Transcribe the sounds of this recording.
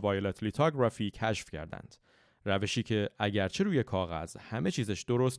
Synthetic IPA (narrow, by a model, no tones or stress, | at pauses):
vɒːjelet̪ʰlit̪ʰɒɡɾɒfiːcʰæʃfcʰæ̰ɾd̪æ̰nd̪̥ | ræve̞ʃiːcʰe̞ʔæɟæɾt͡ʃʰe̞ɾuːje̞kʰɒːɣæ̰zhæme̞t͡ʃʰiːzæʃd̪̥oɾost̪